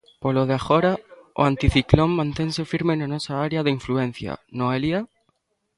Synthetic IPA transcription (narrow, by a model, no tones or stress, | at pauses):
poloð̞eaxoɾao̰ant̪iθikloŋmãnt̪eŋsefiɾmenanosaaɾjaðeiɱfluen̟θja̰noelia